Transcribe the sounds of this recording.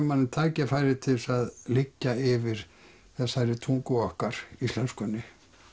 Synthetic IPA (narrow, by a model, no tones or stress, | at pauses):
manɪt̪ʰaːcɪfajɾɪt̪ʰɪlsaðlɪcːaɪvɪɾ̥ | θɛsːaɛɾɪt̪ʰuŋkʏɔhkaɾ̥ist̪lanskʏnːɪ